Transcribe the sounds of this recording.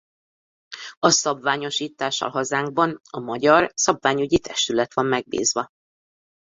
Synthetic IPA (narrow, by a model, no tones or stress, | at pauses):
ɒsɒbvaːɲo̞ʃiːt̪ːaːʃːɒ̰lɦɒzaːŋɡ̚bɒnɒmɒɟɒrsɒbvaːɲyɟit̪ʰɛʃt̪ylɛt̪ʋɒmːɛɡ̚bḭːzʋɒ